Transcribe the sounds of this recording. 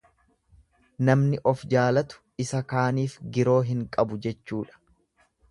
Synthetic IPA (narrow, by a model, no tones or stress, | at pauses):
nɐmnɪʔɔfd͡ʒaːlɐt̪ʊ̥ | ɪsɐkaːniːfɡɪɾo̞ːɦɪŋkʼɐbʊd͡ʒɛt͡ʃːuːᶑɐ̥